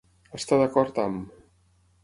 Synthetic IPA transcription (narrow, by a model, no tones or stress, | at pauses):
əst̪aðakɔɾt̪am